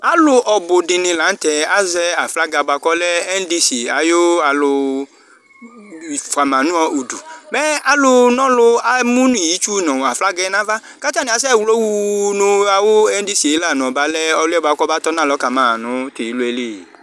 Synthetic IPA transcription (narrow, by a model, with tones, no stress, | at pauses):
a˨˦lʊ˧ʔɔ˧bʊ˨dɪ˧nɪ̃˧la˨˦n̩˦tɛ˧a˦zɛ˦a˨fla˦ɡa˧˨ba˧kɔ˦lɛ˦ɛ˦n˦di˦si˨a˨˦jo˦a˧lʊ˧ | i˨fa˨mã˨nũ˦ɔ˧u˨du˨bɛ˦a˦lʊ˧nɔ̃˦lʊ˧a˨mũ˦n˦i˦˨ji˨˦t͡ʃu˦˨nɔ̃˨a˨fla˦ɡɛ˧˦nã˦va˦ | ka˦t͡ʃa˦nĩ˨˦a˨˦s̬ɛ˦˨wlo˦wu˦˧˦nʊ̃˧a˧wo˦ɛ˦n˦di˦si˨e˨˦la˦˨nɔ̃˨ɔ˨ba˦lɛ˦ɔ˧lʊ˦ɛ˦ba˧˨kʷɔ˦ba˦tɔ˦nã˦˨lɔ˨˦ka˨mã˨nʊ̃˨˦te˨ji˨˦lu˦ɛ˦le˦˨